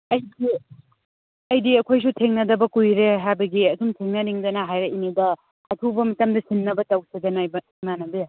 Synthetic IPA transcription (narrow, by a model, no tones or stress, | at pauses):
ɐjdi | ɐjdiɐkʰojs̬utʰeŋnɐdɐbɐkujɾeɦajbɐɡiɐdumtʰeŋnɐniŋdɐnɐɦajɾeinidɐ | ɐtʰubɐmɐtamdɐsinːɐbɐtawsidɐnab | manɐbe